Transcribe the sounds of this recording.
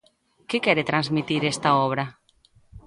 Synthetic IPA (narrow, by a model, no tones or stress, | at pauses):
kekɛɾet̪ɾanzmit̪iɾest̪aɔβ̞ɾa